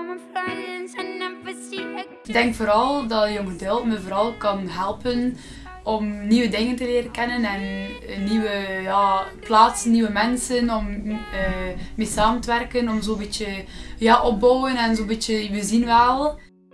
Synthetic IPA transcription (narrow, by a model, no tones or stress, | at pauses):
ɡ̚dɛŋkfoːɾɑlˠdɑtjonɣədeːlˠtməvoːɾɑlˠkɑnɦɛlˠpən | ɔmniʋədɪŋəntəleːɾəkɛnənɛnːiwəjaːplaːtsənːiʋəmɛnsənɔmː | meːsaːməntəʋɛrkənɔmzoːbit͡ʃəjaːʔɔp̚bɔwənɛnzoːbit͡ʃəʋəzinʋɛlˠ